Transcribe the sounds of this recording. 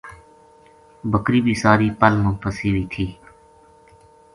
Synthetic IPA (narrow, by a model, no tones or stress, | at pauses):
bʱəkɾiːbʱiːsaːɾiːpəlmʊnpəsiːɾiːt̪ʰiː